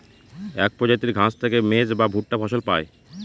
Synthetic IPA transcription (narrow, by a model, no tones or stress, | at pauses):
ɛk̚pɾɔd͡ʑajt̪iɾɡʱãst̪ʰekemed͡ʑbabʱuʈ̚ʈafʰɔʃolpae